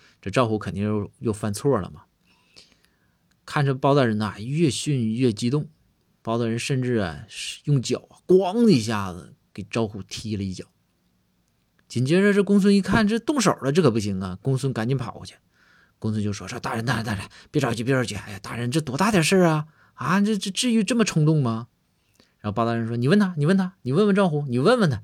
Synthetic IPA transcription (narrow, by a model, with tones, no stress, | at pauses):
ʈ͡ʂɤ˥˩ʈ͡ʂɑ˥ʊxu˥˩kʰə˨˩nt̪i˥˧ŋjo˥˩ʊjo˥˧ʊfa˥˩nt͡sʰwɔ˥˩lə̰˩mɐ˩ | kʰa˥˩nʈ͡ʂə˥˧pɑ˥ʊt̪ɑ˥˩ɻə˧˥nɐ˨˩ɥɛ˥˧ɕy˥˧n˧ɥɛ˥˩t͡ɕi˧˥t̪ʊ˥˩ŋ | pɑ˥t̪ɑ˥˩ɻə˧˥nʂə˥˧nʈ͡ʂɻ̩˥˩ɐ̰˨˩˧jʊ˥˩ŋt͡ɕjɑ̰˨˩˦ʊɐ˧˩kwɑ˥ŋə˧i˧˥ɕ̬ja˥˩ə̰˩ | ke˨˩ɪʈ͡ʂɑ˥ʊxu˥˩t̪ʰi˧˥lə˨i˧˥˩t͡ɕjɑ˨˩˦ʊ | t͡ɕi˨˩nt͡ɕjɛ˥ʈ͡ʂə˥˧ʈ͡ʂɤ˥˩kʊ˥ŋs̬wə˥ni˧˥kʰa˥˧nʈ͡ʂɤ˥t̪ʊ˥˩ŋʂo˨˩ʊlə˦ʈ͡ʂɤ˥˩kʰɤ˨˩pu˧˥ɕ̬i˧˥ŋɐ˧kʊ˥ŋswə˥nka˨˩nt͡ɕi˧˥npʰɑ̰˨˩˦ʊ˧˩t͡ɕʰɛ˧˥ | kʊ˥ŋswə˥nt͡ɕo˥˧˩ʂwɔ̰˥˧ʂt̪a˥˩ɻə˧˥nt̪a˥˩˧t̪a˥˩a˧˥˩pjɛ˥˩ʈ͡ʂɑ˥˩ʊt͡ɕʰpi˥˩˥t͡ɕʰɛ˧˩a˥ɪa˨˩t̪a˥˩ɻə˧˥nʈ͡ʂɤ˥˩t̪wɔ˧˥t̪a˥˩jə˨˩ʂə˥˩ɐ˩ | a˥˧ʈ͡ʂə˥˧ʈ͡ʂ̩˥˧ʈ͡ʂɻ̩˥˧y˥˧ʈ͡ʂə˥˩mə˩ʈ͡ʂʰɤ˧˥ŋt̪ʊ˥˩ŋmɐ˨ | ɻa˧˥nxo˧pa˥t̪a˥˩ɻə˧˥nʂwɔ˥ni˨˩˦wə˥˩nt̪ʰa˧˥ni˨˩wə˥˩nt̪ʰa˥ni˨˩wə˥˩nwə˥nʈ͡ʂɑ˥˧xu˧˩ni˨˩wə˥˧nwə˥˩nt̪ʰa˧˥